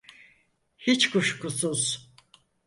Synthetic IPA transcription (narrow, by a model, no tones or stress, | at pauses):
hit͡ʃkʰuʃkusuz̥